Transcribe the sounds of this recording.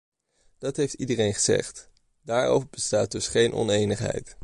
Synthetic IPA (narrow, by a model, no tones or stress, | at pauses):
d̥ɑtɦejftidərejnχəz̥ɛ̰χt | daːɹo̰wvəɹbəstaːt̚dɵsχejnʔɔ̰nejnəχɦɛ̰jt